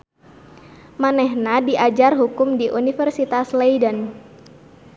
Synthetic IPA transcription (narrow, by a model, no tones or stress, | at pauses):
manɛɦnadiʔad͡ʒarɦukʊmdiʔunifɛrsit̪aslejdən